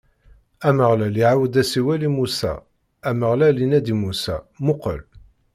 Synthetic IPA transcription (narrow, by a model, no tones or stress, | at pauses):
æməʁlæliʕawəd̪æsiwælimusæ̰ | æməʁlælinæd̪imusæ̰mʊqə̰l